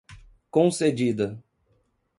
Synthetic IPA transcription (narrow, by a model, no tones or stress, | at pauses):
kõsed͡ʒid̪ɐ